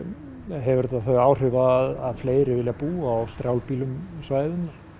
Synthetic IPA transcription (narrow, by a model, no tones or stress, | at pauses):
ɦɛvʏɾt̪aθœɥaːwr̥ʏvaːðaðfleːjɾɪvɪljapuːaːwst̪ɾjawlpiːlʏmsvaːjðɪnːaɾ̥